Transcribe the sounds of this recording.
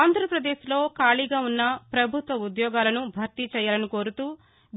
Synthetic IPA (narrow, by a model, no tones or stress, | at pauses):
aːnd̪ʱɾɐpɾɐd̪eːʃlo̞ːkaːɭiːɡaːunːɐpɾɐbʱut̪ʋɐud̪jɔːɡaːlɐnubʱɐɾt̪it͡ʃɛːjaːlɐniko̞ːɾut̪uː